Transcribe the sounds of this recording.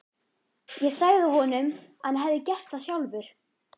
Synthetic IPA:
jɛɣsaːɣðɪhɔnʏmanɦɛvðɪcɛr̥t̪θasjawlvʏɾ̥

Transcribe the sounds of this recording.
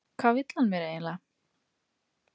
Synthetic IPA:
kʰv̥aːwvɪt̪l̥anmɛːɾeːjnla

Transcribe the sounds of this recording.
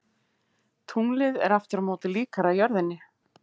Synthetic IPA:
t̪ʰuŋlɪðɛ̰ɾaft̪ɪɾamoːt̪ɪliːkaɾajœɾðɪnːɪ

